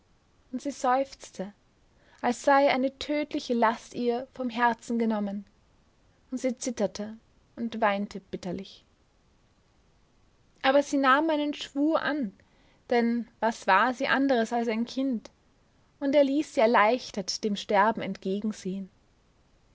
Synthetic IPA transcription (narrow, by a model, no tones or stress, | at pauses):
ʔʊntz̥iːz̥ɔʏft͡stʰə | ʔalsz̥aɪʔaɪnətʰøːtlɪçəlastiːɐfɔmɦɛɐt͡sn̩ɡənɔmən | ʊntz̥iːt͡sɪtɐtʰə | ʊntv̥aɪntʰəb̥ɪtɐlɪç | ʔaːbɐz̥iːnaːmaɪnənʃv̥uːɐʔan | d̥ɛnvasv̥aːɐziːʔandəʁəsalsaɪnkʰɪnt | ʊnteːɐliːsz̥iːɛɐlaɪçtɐtd̥eːmʃtɛɐbm̩ɛntɡ̥eːɡŋ̩zeːən